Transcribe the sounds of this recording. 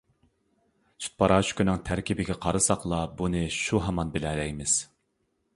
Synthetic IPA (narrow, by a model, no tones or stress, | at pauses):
sʰy̥t̪̚pʰɑɾɑːt͡ʃʰkʲynɨŋt̪ʰæɾkʲibɪɡʲɛqʰɑɾɨsɑqlˠɑbunɨʃuɦɑmɑnbɪlɛlɛjmɪz̥